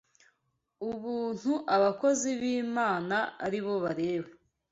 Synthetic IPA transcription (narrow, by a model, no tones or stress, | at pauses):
uβuːn̥huʔaβako̞ziβiːmaːna̰ːɾiβo̞βaɾe̞ːβa